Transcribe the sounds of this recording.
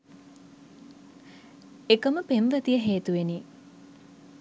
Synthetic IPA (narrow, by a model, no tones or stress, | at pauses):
ekəməpemʋət̪ijəɦeːt̪uʋeni